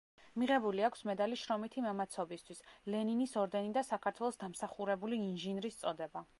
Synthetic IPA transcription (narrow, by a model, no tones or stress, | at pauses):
miʁɛbuliakʰsmɛd̪aliʃɾɔmit̪ʰimamat̪sʰɔbist̪ʰwislɛninisɔɾd̪ɛnid̪asakʰaɾt̪ʰwɛlˠɔsd̪amsaχuɾɛbuliːnʒinɾist̪sʼɔd̪ɛba